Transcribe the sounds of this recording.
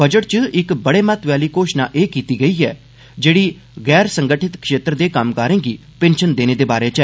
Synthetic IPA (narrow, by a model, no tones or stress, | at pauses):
bəd͡ʒəʈt͡ʃəɪkbəɽeːmət̪ʋjaːliːkoːʃnaːʔeːkiːt̪iːɡəiːɛ̰ː | d͡ʒeːɽiː | ɣɛːɾsəŋɡəʈʰɪt̪kʃeːt̪ɾəd̪eːkəmkəːɾẽːɡiː | pẽnʃənd̪eːneːd̪eːbaːɾeːt͡ʃɛː